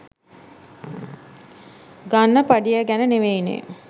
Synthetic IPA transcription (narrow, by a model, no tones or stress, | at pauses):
ɡanːəpaɖijəɡænəneʋejnḛ